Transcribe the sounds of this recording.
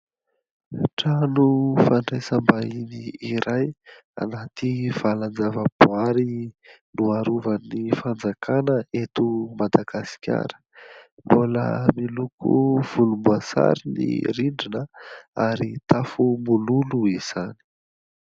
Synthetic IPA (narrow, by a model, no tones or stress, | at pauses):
ʈ͡ʂanufaɳɖ͡ʐesəmbainiiɾaj | a̰nat̪iv̥aland͡zavəb̥uaɾinuaɾuvənifand͡zakʰanəet̪umad̪aɡ̥asi̥kʲa̰ɾə̥ | mbulə̰milukʰṵv̥ulumbuasa̰ɾinḭɾiɳɖ͡ʐinəaɾit̪afumululuiz̥ani̥